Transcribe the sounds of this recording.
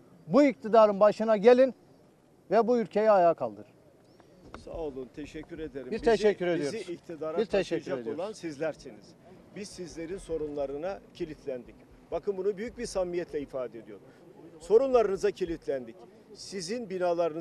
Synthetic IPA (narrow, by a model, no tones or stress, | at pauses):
buic̚t̪ʰid̪aːɾɯnbaʃɯnaɟelʲin | vɛbuylʲcʰe̞jɛajaːkʰalˠd̪ɯɾ̥ | sa̰lˠunt̪ʰeʃɛcʰːyɾed̪eɾimbiɾt̪ʰeʃɛcːyɾed̪ijoiikt̪ʰid̪aːɾaiɾt̪ʰeʃɛd͡ʒaeoolˠansizlʲæɾseniz̥ | bizsizlʲe̞ɾinso̞ɾunlˠaɾɯnacʰelʲit̪ʰlʲænd̪ic | b̥akʰɯnbunubyjyc̚biɾsamːijɛt̪ʰlʲɛifaːd̪ed̪ijo̞ɾ | so̞ɾunlˠaɾɯnɯzacʰelʲit̪ʰlʲænd̪ic | sizinbinaːlˠaɾɯn